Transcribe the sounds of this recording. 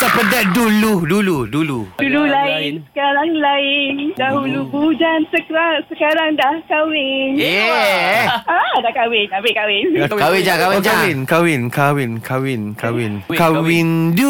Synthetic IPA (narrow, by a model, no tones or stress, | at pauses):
sapədaʔ̚duluduluduludululaɪnsə̥kaɾaŋlaɪndaɦulubud͡ʒansəkɾasəkaɾaŋdahkawɪne | adakawɪnabɪʔkawɪnkawɪakawd͡ʒawɪnkawɪnkawɪnkʰawɪnkawɪnkawɪndu